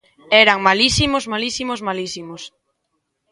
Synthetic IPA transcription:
ɛɾaŋmalisimozmalisimozmalisimos

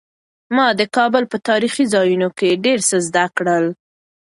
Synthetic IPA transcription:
mɑd̪əkɑbʊlpət̪ɑɾixizɑjunokeɖeɾsəzd̪akɽəl

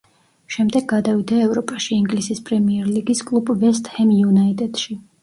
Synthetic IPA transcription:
ʃɛmd̪ɛɡːad̪avid̪aɛvɾɔpʼaʃiːŋɡlisispʼɾɛmiɛɾliɡiskʼlˠubvɛs̬t̪ʼhɛmjunait̪ʼɛd̪̥ʃi

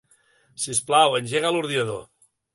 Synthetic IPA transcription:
sisplawənʲʒeɣaluɾðinəðo̰

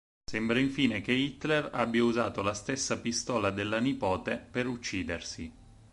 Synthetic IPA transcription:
sembɾaiɱfiːnek̟eit̪ːlera̰bːjauzaːt̪olast̪esːapist̪ɔːlad̪elːanipɔːt̪epeɾut͡ʃːiːd̪ersi

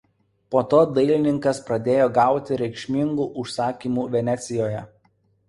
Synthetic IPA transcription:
poːt̪oːd̪ɐɪlʲɪnʲɪŋkɐspɾɐd̪ʲeːjoːɡɑˑʊt̪ʲɪɾʲɛɪkʃʲmʲɪŋɡuːʔʊʃsɑːkʲiːmuːʋʲɛnʲɛt̪sʲɪjoːjɛ

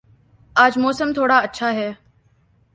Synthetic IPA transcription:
aːd͡ʒmɔːsəmt̪ʰoːɽaːətːʃʰaːɦɛː

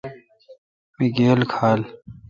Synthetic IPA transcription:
miɡeːlkʰaːl

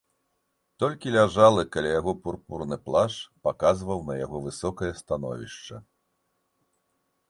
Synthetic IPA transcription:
t̪ɔlʲkʲilʲaʐalˠɨkalʲajaɣɔpurpurnɨplˠaʂpakazvɐwnɐja̰ɣɔvɨsɔkɐjɐst̪anɔ̰vʲḭʂt͡ʂɐ̰

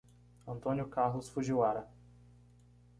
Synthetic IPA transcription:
ɐ̃nt̪õnjʊkahlʊsfuʒiwaɾɐ

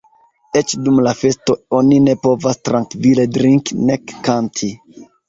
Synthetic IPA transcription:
e̞t͡ʃdumlafe̞sto̞o̞nine̞po̞vastɾaŋkvile̞dɾiŋknekːantʰi

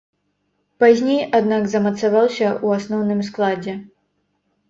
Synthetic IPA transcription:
pazʲnʲejad̪naɡzɐmɐt̪savawsʲɐuasnɔwnɨmsklˠad͡zʲɛ

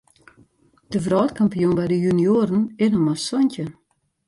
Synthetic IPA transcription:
d̥əvrɔːtkʰampijunbɛjdəjynioɾənɪnəmasɔncə

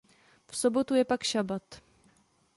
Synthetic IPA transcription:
fsobo̞t̪ujɛpakʃabat̪

